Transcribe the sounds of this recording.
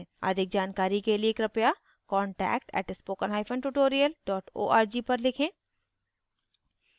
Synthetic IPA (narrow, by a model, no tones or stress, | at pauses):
a̰d̪ʱɪk̚d͡ʒaːnkaːɾikelieːkɾɐpja | kɔ̃ːɳʈɛ̰ːkʈɛ̰ːʈɪspoːkənɦaːɪfʰə̃ɳʈuʈoːɾijəlɖɔːʈo̰ːaːɾd͡ʒipɐɾlɪkʰẽː